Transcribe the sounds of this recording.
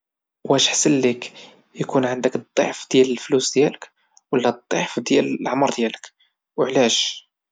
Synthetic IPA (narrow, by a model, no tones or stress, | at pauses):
wæʃħsəlːik | jkunʕənd̪əkt̪ˤːɑ̰ʕfd̪̥jæləlflusd̪jælək | wəlːæd̪ˤːiʕfd̪jæləlʕmɾˤd̪jælək | wəʕlæʃ